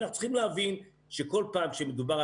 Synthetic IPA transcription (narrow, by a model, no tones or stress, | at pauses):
naχnu̥t͡si̥χimleavin | ʃeko̞lpaːmʃemed̪ubaʁ